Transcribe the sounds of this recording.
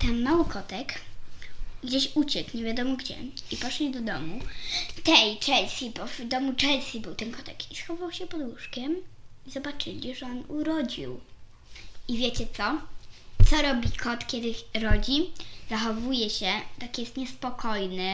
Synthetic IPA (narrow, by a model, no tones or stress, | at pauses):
t̪ɛnmawɘkʰɔt̪ɛk | ɡd͡ʑeɕut͡ɕɛkɲɛvʲjad̪ɔmɔɡd͡ʑɛ̰ipɔʂlʲid̪ɔd̪ɔmut̪ɛjt͡ʂɛlsʲibɔvd̪ɔmut͡ʂɛlsʲibɘwt̪ɛnkɔt̪ɛkisxɔvvawɕɛpɔd̪wuʂkʲɛmizɔbat͡ʂɘlʲiʐɛɔnuɾɔd͡ʑḭw | ivʲjet͡ɕɛt̪sɔt̪sɔɾɔbʲikʰɔt̪kʲɛd̪ɘɾɔd͡ʑizaxɔvujɛɕɛt̪akʲijɛst̪ɲɛspɔkʰɔjnɘ